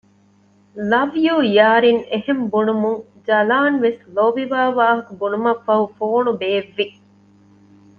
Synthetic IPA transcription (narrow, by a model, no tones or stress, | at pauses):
lɐʋjuːjaːɾiŋehembunumuŋ | d͡ʒɐlaːnʋesloʋiʋaːʋaːɦɐkubunumɐfːɐɦufoːnubeːʋːi